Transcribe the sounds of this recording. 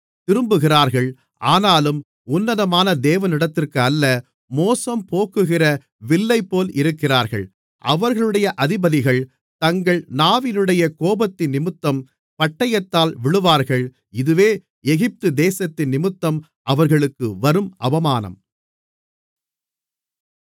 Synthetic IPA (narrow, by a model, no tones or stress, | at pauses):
t̪ɪɾɯmbɯɣɪraːɾɣɐɭ | aːnaːlɯm | ʊnːɐðɐmaːnɐd̪eːʋɐnɪɽɐt̪ːɪrkɯɐlːɐ | moːsɐmpoːkɯɣɪrɐ | ʋɪlːɐɪpːoːlʔɪɾɯkːɪraːɾɣɐ̰ɭ | ʔɐʋɐɾɣɐɭɯɽɐjɐʔɐðɪbɐðɪɣɐɭ | t̪ɐŋɡɐɭnaːʋɪnɯɽɐjɐkoːbɐt̪ːɪnːɪmɯt̪ːɐm | pɐʈːɐjɐt̪ːaːlʋɪɭɯʋaːɾɣɐɭ | ɪðɯʋeː | ɛɣɪp̚t̪ɯd̪eːsɐt̪ːɪnnːɪmɯt̪ːɐm | ʔɐʋɐɾɣɐɭɯkːɯʋɐɾɯmʔɐbɐmaːnɐ̰m